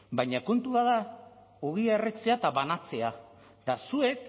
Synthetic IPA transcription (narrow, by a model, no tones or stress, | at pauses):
bajɲako̞nt̪uβaða | uɣieret͡se̞at̪aβanat͡se̞a | t̪asue̞k̚